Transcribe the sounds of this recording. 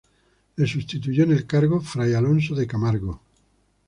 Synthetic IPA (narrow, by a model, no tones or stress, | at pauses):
lesust̪it̪uʝonelkaɾɣofɾajalonsoðekamaɾɣo